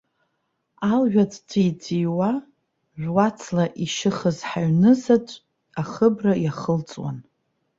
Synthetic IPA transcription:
alʒᶣatʰʼdʰid͡ziwa | ʒᶣʷwat͡sʰlaʔiʃɨχəzħaɥnɨzatʷʼ | aχəbrajaχəlt͡sʼwa̰n

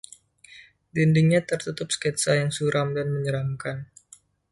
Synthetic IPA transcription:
dindiŋɲat̪ərt̪ut̪ʊp̚skɛt̪sajaŋsuɾamdanməɲəɾamkan

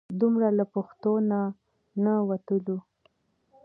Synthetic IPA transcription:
d̪umɾalapaxt̪ona | nawat̪əlu

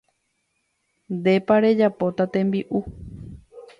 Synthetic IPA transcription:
nd̪e̞paɾe̞d͡ʒapo̞t̪at̪ẽ̞mbiʔu

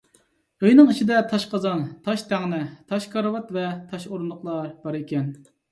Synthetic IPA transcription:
ojnɨŋit͡ʃʰid̪ɛt̪ʰɑʃqɑzɑnt̪ʰɑʃt̪ʰæŋnɪt̪ʰɑʃkʰɑɾwɑt̪vɛt̪ʰɑʃoɾunʊqlˠɑɾb̥ɑɾikʲɛn

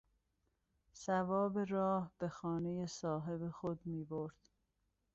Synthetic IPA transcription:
sævɒːbe̞ɾɒːhb̥exɒːne̞jesɒːɦe̞bexod̪miːboɾd̪̥

